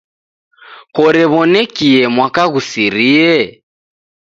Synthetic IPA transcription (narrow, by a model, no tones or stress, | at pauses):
kɔɾɛβɔnɛkiɛmwakaɣusiɾiɛ